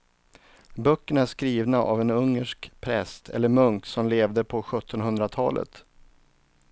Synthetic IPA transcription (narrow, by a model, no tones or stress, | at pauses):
bœkːəɳæʂkɾiːvnaʔa̰vɛnɵŋːəʂkpʰɾɛ̰st̪ʰɛ̰lːəɾmɵŋkt̪sɔmleːvd̪əpʰɔɧɵt̪ʰːɔnɦɵnd̪ɾat̪ʰɑːlʔə̰t̪